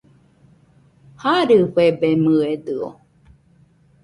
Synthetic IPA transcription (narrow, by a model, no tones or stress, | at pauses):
haɾɨɸebemɯed̪ɯo̰